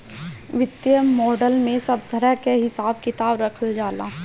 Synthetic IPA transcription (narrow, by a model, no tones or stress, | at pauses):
ʋɪt̪ːjəmɔːɖəlmẽsɐb̚d̪ʱɐɾakeɦɪsaːbkɪt̪aːbɾɐkʰəld͡ʒaːlaː